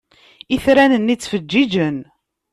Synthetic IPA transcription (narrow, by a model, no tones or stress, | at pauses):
iθɾænənːit͡sːfəd͡ʒːid͡ʒən